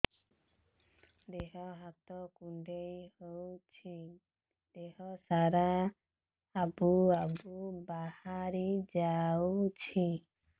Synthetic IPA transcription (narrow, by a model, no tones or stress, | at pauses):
d̪eɦɔɦat̪ɔkuɳɖejhowt͡ʃʰi | d̪eɦɔsaɾa | abuabubahaɾid͡ʒawt͡ʃʰi